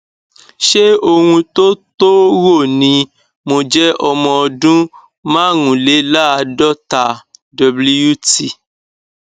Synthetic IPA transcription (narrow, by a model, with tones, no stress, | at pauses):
ʃe˦o˧hũ˧to˦to˦wo˦˨nĩ˧˦ | mo˧d͡ʒɛ˦ʔɔ˧mɔ̃˧ɔ˧dũ˦ | mã˦˨ŋũ˨le˨˦la˦a˧dɔ˦ta˨dɔ˨bli˧u˦˨ti˨